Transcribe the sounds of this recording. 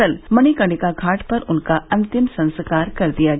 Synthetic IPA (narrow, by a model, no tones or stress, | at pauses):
əlmɐñikɐ̃ɳɖɪkakʰaːʈpɐɾʊnkaɐ̃nt̪ɪmsɐ̃nskaːɾkɐɾd̪ijaɡ